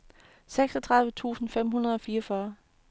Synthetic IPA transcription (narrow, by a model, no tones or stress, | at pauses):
seɡ̥sɒt͡sʰʁɑ̈ð̞ˠʋət͡sʰṵːsn̩fem̰ɦunɐð̞̩ˠɒ̽fiːɐɒfɶɐ